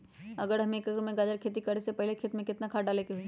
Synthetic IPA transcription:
ɐɡəɾɦɐmẽːkɐɡɾmẽɡaːd͡ʒəɾkʰeːt̪ikɐɽesepɛɦlekʰeːt̪mẽkɪt̪nakʰaːɖaleːkeɦui

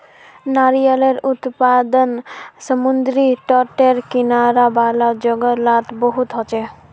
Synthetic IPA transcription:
naɾijaleɾut̪pad̪onsəmund̪ɾiʈɔʈeɾkinaɾabalad͡ʑoɡolat̪boɦut̪ɦɔt͡ɕʰe

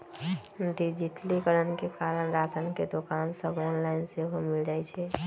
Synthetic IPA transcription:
ɖid͡ʒiʈ̪likəɾənkekaɾənɾat͡ʃənked̪okansəboːnlaɪnseɦomild͡ʒajt͡ʃʰɛ

